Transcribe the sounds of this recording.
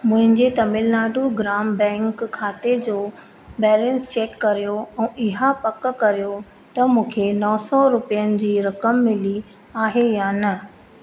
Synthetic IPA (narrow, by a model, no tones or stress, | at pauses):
mʊ̃ɦɪ̃ɲd͡ʑet̪ɐmɪlnaːɖuɡɾaːmbɛ̃ːŋkʰːaːt̪ed͡ʑoː | bɛːlɛ̃nst͡ɕeːkːɐɾijoɛ̃ːʔɪɦapɐkkɐɾijo | t̪ɐmũːkʰenɔːsɔɾʊpijənɪ̆d͡ʑiːɾɐkəmːɪli | aːɦejaːnɐ